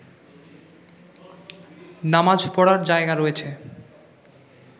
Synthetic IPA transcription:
namad͡ʑpɔɽaɾd͡ʑaeɡaɾɔet͡ɕʰe

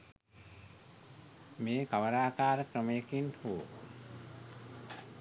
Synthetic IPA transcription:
meːkaʋəɾaːkaːɾəkɾəmejəkinhuw

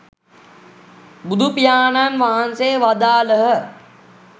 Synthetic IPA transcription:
bud̪ʱupijaːnanʋaɦanseːʋad̪aːləɦə

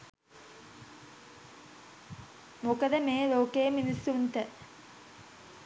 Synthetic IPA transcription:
mokəd̪əmeːɾoːkeːminisːunt̪ə

